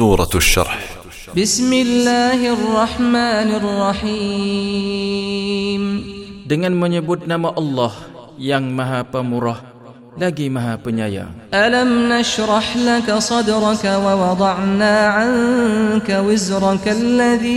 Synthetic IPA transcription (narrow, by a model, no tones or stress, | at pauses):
uːɾˤɑ̰ʃːɑ̰ɾˤħ | bɪsmɪlːaːɦɪrˤːɑħmaːnɪrˤːɑħiː | mdəŋanməɲəbʊt̪̚namaʔɑlːɑhjaŋmaɦapəmuɾah | laɡimaɦapəɲaja̰ʔalamnaʃɾˤɑħlakasˤɑd̪ɾˤɑkawɑwɑd̪ˤɑʕnaːʕaŋkawɪzɾˤɑkalːaðiː